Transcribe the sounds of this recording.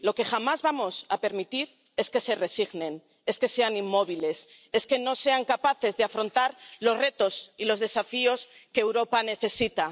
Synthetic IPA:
lo̞ke̞xamazβamo̞sape̞ɾmit̪iɾ | e̞ske̞se̞re̞siɣnẽ̞n | e̞ske̞se̞animːo̞β̞ile̞s | e̞ske̞no̞se̞aŋkapaθe̞zðeafɾo̞nt̪aɾlo̞zre̞t̪o̞silo̞zðe̞safio̞skeːwɾo̞pane̞θe̞sit̪a

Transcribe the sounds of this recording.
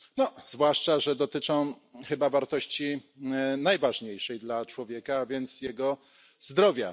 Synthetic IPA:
nɔzvwaʂt͡ʂaʐɛd̪ɔt̪ɘt͡ʂɔ̃w̃ | xɘbavaɾt̪ɔɕt͡ɕi | najvaʐɲejʂɛjd̪lat͡ʂwɔvʲjɛkaːvʲjɛnt̪sjɛɡɔ | zd̪ɾɔvʲja̰

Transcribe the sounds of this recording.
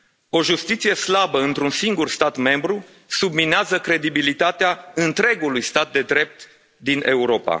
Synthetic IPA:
o̞ʒust̪it̪sije̞slabəɨnt̪ɾunsiŋɡurst̪at̪me̞mbɾu | submineazəkɾe̞d̪ibilit̪at̪eaɨnt̪ɾe̞ɡulujst̪at̪̚d̪e̞d̪ɾe̞p̚t̪ | d̪inʔe̞uɾo̞pa̰

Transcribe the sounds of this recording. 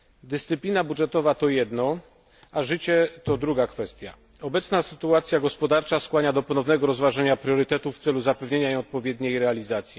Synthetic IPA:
d̪ɘst̪sɘplʲinabudʐɛt̪ɔvat̪ɔjɛd̪nɔ | aʐɘt͡ɕɛt̪ɔd̪ɾuɡakfɛst̪ʲja̰ | ɔbɛt̪snasɘ̥t̪uat̪sʲjaɡɔspɔd̪aɾt͡ʂaskwaɲad̪ɔpɔnɔvnɛɡɔɾɔzvaʐaɲapɾʲjɔɾɘt̪ɛt̪ufːt̪sɛluzapɛvɲeɲaijɔt̪̚pɔvʲjɛd̪ɲejɾɛalʲizat̪sʲji

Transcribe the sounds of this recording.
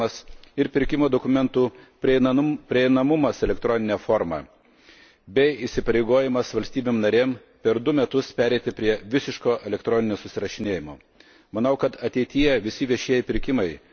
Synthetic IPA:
ɐsɪɾpʲɪɾʲkʲɪmoːd̪okʊmʲɛnt̪uːpʲɾʲɪɪpʲɾʲɪɛɪnɐmʊmɐsɛlʲɛkt̪ɾɔnʲɪnʲɛːfoːɾmɑ̰ː | bʲɛɪɪsʲɪpɐɾʲeɪɡoːjɪmɐsʋɐlʲsʲt̪ʲiːbʲemnɐɾʲeːm | pʲɛɾd̪ʊmʲɛt̪ʊspʲæːɾʲɛɪt̪ʲɪpʲɾʲiɛʋʲɪsʲɪʃkoːʔɛlʲɛkt̪ɾɔːnʲɪnʲoːsʊsʲɪɾɐʃʲɪnʲeːjɪmoː | mɐnɐʊkɐt̪ɐt̪ʲɛɪt̪ʲɪjɛʋʲɪsʲɪʋʲiɛʃʲiɛjɪpʲɪɾʲkʲɪmɐɪ

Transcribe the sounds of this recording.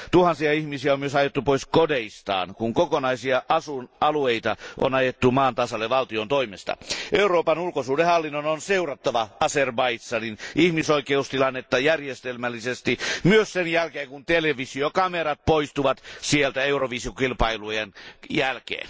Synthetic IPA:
t̪uhɑnsiɑihmisiæommyøsɑjet̪ːupoiskodeist̪ɑ̰ːnkuŋkokonɑisiɑʔɑsunɑlueit̪ɑʔo̰nɑjet̪ːumɑːnt̪ɑsɑlːeʋɑlt̪iont̪oimest̪ɑ̰ʔeuroːpɑnulkosuːdehɑlːinːononseurɑt̪ːɑʋɑɑserbɑisːɑninʔihmisoikeust̪ilɑnːet̪ːɑjærjest̪elmælːisest̪imyøssenjælkeːŋkunt̪eleʋisiokɑmeɾɑt̪̚poist̪uʋɑt̪sielt̪æeuroʋisiokilpɑilujenjælkḛːn

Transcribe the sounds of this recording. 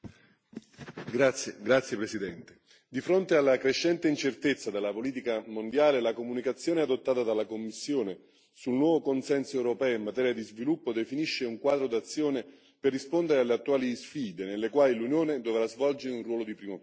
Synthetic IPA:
ɡɾat̪sːjepɾesid̪ɛnt̪e̥ | d̪ifɾont̪ealːakɾeʃːɛnt̪eint͡ʃert̪et̪sːad̪elːapoliːt̪̬ikamond̪jaːlelakomunikat̪sːjoːneɛad̪ot̪ːaːt̪ad̪alːakomːisːjoːne | sulnwɔːvokonsɛnsoɛwɾopɛːoimːat̪ɛːɾjad̪izvilupːod̪efiniʃːeuŋkwaːd̪ɾod̪at̪sːjoːne | perːispond̪eɾealːeat̪ːuaːlisfiːd̪enelːekwaːlilunjoːned̪ovɾazvɔld͡ʒeɾeunrwɔːlod̪ipɾiːmo

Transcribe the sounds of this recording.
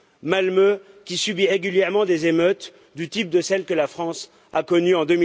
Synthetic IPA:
malmø | kʲisybiʁeɡʲyljɛʁmɑ̃d̪ezemøt̪ | d̪yt̪ip̚d̪əsɛlkəlafχɑ̃s | akɔnyɑ̃d̪əmi

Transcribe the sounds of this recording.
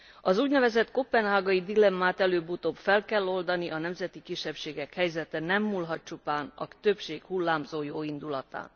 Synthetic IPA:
ɒzuːɟnɛvɛzɛt̪ko̞pːɛnɦaːɡɒid̪ilɛmːaːt̪ɛløːbut̪oːbfɛlkɛlːo̞ld̪ɒniʔɒnɛmzɛt̪ikiʃːɛpʃeːɡɛkhɛjzɛt̪ɛnɛmːulɦɒt̪̚t͡ʃupaːnɒ̰t̪ø̞pʃeːkhulːaːmzoːjoːind̪ulɒt̪a̰ːn

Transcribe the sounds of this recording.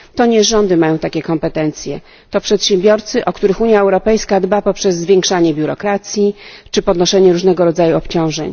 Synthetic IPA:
t̪ɔɲɛʐɔnd̪ɘmajɔ̃w̃t̪akʲɛkɔmpɛt̪ɛnt̪sʲjɛ̰ | t̪ɔpʂɛt̪ɕɛ̃mbʲjɔɾt̪sɘʔɔkt̪uɾɘxuɲjaɛwɾɔpɛjskad̪bapɔpʂɛzːvʲjɛŋkʂaɲɛbʲjuɾɔkɾat̪sʲjit͡ʂɘpɔd̪nɔʂɛɲɛɾuʐnɛɡɔɾɔd̪zajuɔpt͡ɕɔ̃w̃ʐɛ̰ɲ

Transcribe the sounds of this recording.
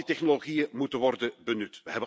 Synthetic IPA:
itɛχnoloɣijəmutənʋɔrdənbənytʋəɦɛbə

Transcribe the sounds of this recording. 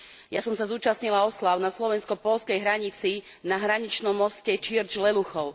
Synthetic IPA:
jasɔmsazuːt͡ʃasɲilaɔslaʊnaslɔʋɛnskɔpɔlskɛjɦɾaɲit͡si | naɦɾaɲit͡ʃnɔmːɔscɛt͡ʃiɾd͡ʒlɛluxɔʊ

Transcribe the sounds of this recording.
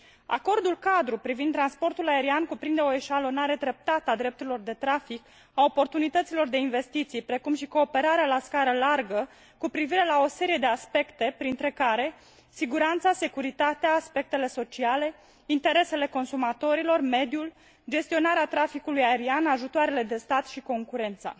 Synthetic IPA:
a̰ko̞rd̪ulkad̪ɾupɾivind̪ɾanspo̞rt̪ulae̞ɾiankupɾind̪eo̞e̞ʃalo̞naɾe̞d̪ɾe̞p̚t̪at̪əad̪ɾe̞p̚t̪uɾilo̞rd̪e̞t̪ɾafik | ao̞po̞rt̪unit̪ət̪silo̞rd̪e̞inve̞st̪it̪sijpɾe̞kumʃiko̞ːpe̞ɾaɾealaskaɾəlarɡə | kupɾiviɾe̞lao̞se̞ɾijed̪e̞aspe̞kt̪e̞pɾint̪ɾe̞kaɾe̞ | siɡuɾant̪sase̞kuɾit̪at̪eaːspe̞k̚t̪e̞le̞so̞t͡ʃiale̞ | int̪e̞ɾe̞se̞le̞ko̞nsumat̪o̞ɾilo̞rme̞d̪ijul | d͡ʒe̞st̪io̞naɾeat̪ɾafikulujae̞ɾianaʒut̪oaɾe̞le̞d̪e̞st̪at̪ʃiko̞ŋkuɾe̞nt̪sa̰

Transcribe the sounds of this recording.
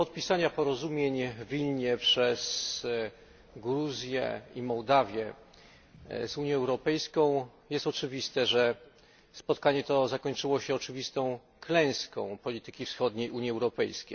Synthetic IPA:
pɔt̪̚pʲisaɲapɔɾɔzumʲjeɲvʲilɲɛpʂɛs | ɡɾuzʲjɛ̰imɔwd̪avʲjɛ | zuɲjɛ̃ɛwɾɔpɛjskɔ̃w̃jɛst̪ɔt͡ʂɘvʲist̪ɛʐɛ | spɔt̪kaɲɛt̪ɔzakɔɲt͡ʂɘwɔɕɛɔt͡ʂɘvʲist̪ɔ̃w̃ | klɛ̃j̃skɔ̰̃w̃pɔlʲit̪ɘkʲifsxɔd̪ɲejʔuɲjiɛwɾɔpɛjskʲejj

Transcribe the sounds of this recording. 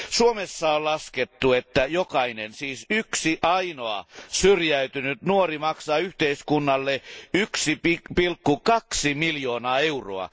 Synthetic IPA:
suomesːɑollɑsket̪ːuet̪ːæjokɑinensiːsyksiʔɑinoɑ̰syrjæyt̪ynyt̪nuorimɑksɑːyht̪eiskunːɑlːeyksipipilkːukɑksimiljoːnɑːeuro̰ɑ̰

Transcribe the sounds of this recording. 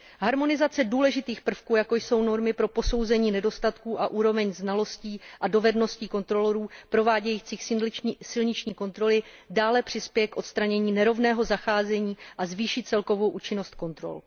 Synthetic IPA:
ɦaɾmo̞nɪzat͡sɛduːlɛʒɪt̪iːxpr̩fkuːjako̞jso̞wno̞ɾmɪpɾo̞po̞so̞wzɛɲiːnɛdo̞st̪at̪kuːʔaʔuːɾo̞vɛɲznalo̞sciːʔado̞vɛdno̞sciːko̞nt̪ɾo̞loɾuːpɾo̞vaːɟɛjiːt͡siːxsɪlɲɪt͡ʃɲiːko̞nt̪ɾo̞lɪdaːlɛpr̝̥ɪspjɛjɛkʔo̞t̪st̪ɾaɲɛɲiːnɛɾo̞vnɛːɦo̞zaxaːzɛɲiːʔazviːʃɪt̪t͡sɛlko̞vo̞wʔuːt͡ʃɪno̞st̪̚ko̞nt̪ɾo̞̰l

